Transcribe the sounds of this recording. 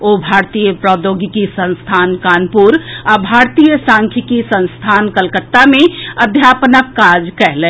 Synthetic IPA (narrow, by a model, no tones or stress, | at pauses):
obʱaːɾt̪iːjəpɾɔːd̪oːɡikisə̃nst̪ʰaːnkaːnpuɾabʱaːɾt̪iːjəsãːŋkʰikisə̃nst̪ʰaːnkəlkət̪ːamẽɐd̪ʱjaːpnəkːaːd͡ʒkɛɦleː